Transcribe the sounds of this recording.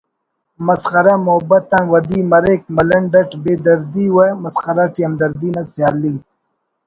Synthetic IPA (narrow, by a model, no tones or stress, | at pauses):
mɐsχɐɾɐmʊbɐt̪ɐnwɐd̪imɐɾek̚mɐlɐɳɖɐʈbeːd̪ɐɾd̪iwɐmɐsxɐɾaʈiɐmd̪ɐɾd̪inɐsjaːlːi